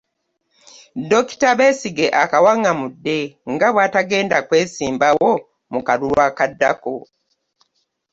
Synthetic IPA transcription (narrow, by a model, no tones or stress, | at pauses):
doki̥taβe̞ːsiɡe̞ʔakawaŋamudːe̞ŋɡaβwaːtaɡe̞ːndakwe̞ːsiːmbawo̞ | mukalulwwakadːa̰ko